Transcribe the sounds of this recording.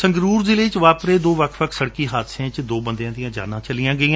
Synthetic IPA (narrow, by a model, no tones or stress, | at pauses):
sə̃ŋɡɾuːɾzɪleːt͡ʃʋaːpɾeːd̪oːʋəkʰʋəkʰsəɽkiːɦaːd̪sẽːt͡ʃd̪oːbənd̪eãːd̪ɪjãːd͡ʒa̰ːnãːt͡ʃəlɪjãːɡəiːã